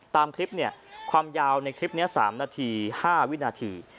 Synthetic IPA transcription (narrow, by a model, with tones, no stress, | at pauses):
t̪aː˧mkʰɾi˦˥p̚ni˥˩ɐkʰwaː˧mjaː˧wna˧jkʰɾi˦˥p̚ni˦˥ɐsa̰ː˩˦mnaː˧t̪ʰiː˧haː˥˩wi˦˥naː˧t̪ʰiː˧